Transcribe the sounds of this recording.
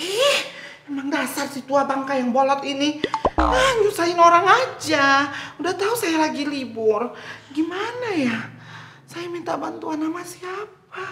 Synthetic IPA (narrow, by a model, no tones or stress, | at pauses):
ɛh | memaŋdasarsit̪uabaŋkajaŋbolɔt̪ininahɲusaɪnoɾaŋad͡ʒaudaht̪ausajalaɡilibʊrɡimanaja | sajamint̪abant̪uanamasiap̚a